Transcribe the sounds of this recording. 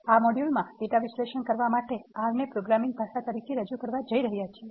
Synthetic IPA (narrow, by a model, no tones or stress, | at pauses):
amɔɽjulmãʈeʈaʋisleʃənkəɾʋamaʈeaɾnepɾoɡɾamĩŋɡ̚bʱaʃat̪əɾikʰeɾəd͡ʒukəɾʋad͡ʒəiɾəɦjat͡ʃʰe